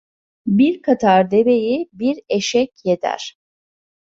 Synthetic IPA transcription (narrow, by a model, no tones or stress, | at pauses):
biɾkʰat̪ʰaɾd̪ebe̞jibiɾeʃɛcjed̪ʰæ̰ɾ̥